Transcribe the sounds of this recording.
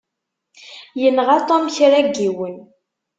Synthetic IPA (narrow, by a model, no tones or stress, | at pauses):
jənʁat̪ˤɔmçɾæɡːiwən